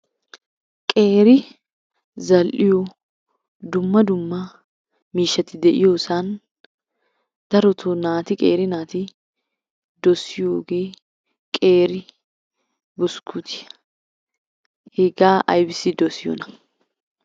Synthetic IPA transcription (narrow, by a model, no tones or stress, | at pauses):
kʼe̞ːɾɪ | zɐlʔɪjo | d̪ʊmːɐd̪ʊmːa | miːʃːɐt̪ːɪd̪ɛʔɪ̰joːsaːn | d̪̥ɐɾɔt̪ʰonaːt̪ɪkʼḛːɾɪnaːt̪i | d̪ɔsɪjoːɡeː | kʼeːɾɪ | bʊskʰut̪ʰɪ̥ | heɡaːʔɐjbɪsiːd̪ɔsɪjɔ̰nɐ